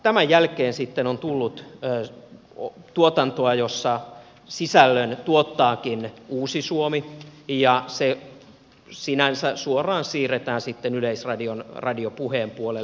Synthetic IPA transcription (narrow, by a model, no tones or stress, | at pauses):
t̪æmæjjælkeːnsit̪ːenont̪ulːut̪ː | t̪uot̪ɑnt̪oɑjosːɑ | sisælːønt̪uot̪ːɑːkinuːsisuomijɑse | sinænsæsuorɑːnsiːret̪æːnsit̪ːenyleisrɑdionrɑdiopuheːmpuole